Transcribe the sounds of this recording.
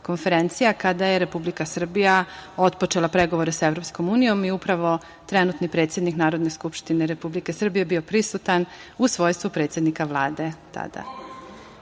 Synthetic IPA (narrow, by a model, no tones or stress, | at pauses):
ko̞nfe̞ɾent̪sijakad̪aje̞ɾe̞publikasr̩bijao̞t̪po̞t͡ʃe̞lapɾe̞ɡo̞ʋo̞ɾe̞saeʋɾo̞psko̞muːnijo̞miupɾaʋo̞ | t̪ɾe̞nut̪nipɾet̪sjed̪niknaːɾo̞d̪ne̞skupʃt̪ineɾe̞publike̞sr̩bije̞bio̞pɾisut̪anusʋo̞jst̪ʋupɾe̞ːt̪sʲjed̪nikaʋlˠaːd̪e̞t̪a̰d̪a̰